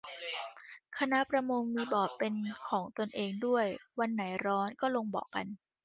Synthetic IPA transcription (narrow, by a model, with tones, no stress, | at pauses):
kʰa˧na˦˥ʔpɾa˧mo˧ŋmiː˧bɔː˨˩pːe˧nkʰɔː˩˦ŋt̪u˧ənʔeː˧ŋdu˥˩əjwa˧nːa˩˦jɾɔː˦˥nkɔː˥˩lo˧ŋbɔ̰ː˨˩kːa̰˧n